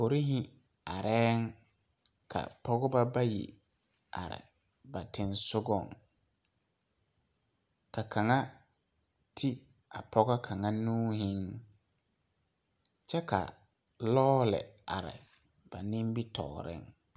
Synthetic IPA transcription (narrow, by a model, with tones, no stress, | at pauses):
po˨ɾi˦ɦɪ˦ | a˨ɾɛː˦ŋ | kʰa̰˨pɔ˦ɣɔ˦ba˦ba˦jḭ˨ | a̰˨ɾɪ̰˨ | ba˨tɪ˨nsʊ˦ɡɔ˦˨ŋ | ka˨kʰa˨ŋa˦ | tʰi˦ | a˨pʰɔ˦ɣɔ˦kʰa˨ŋa˦nũː˦ɦɪ˦ŋ | t͡ʃɛ˦ka̰˨ | lɔː˦lɪ̰˨a˨ɾɪ̰˨ | b̥a˨nɪ̃˦mbi˦tɔ̰ː˨ɾɪ̰˦ŋ